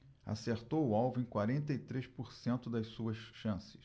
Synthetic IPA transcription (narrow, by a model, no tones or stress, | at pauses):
a̰seɾt̪owʊawvʊẽj̃kwaɾẽnt̪ɐit̪ɾeʃpoɾsẽnt̪ʊd̪ɐjssuɐsʃɐ̃sɪ̥ʃ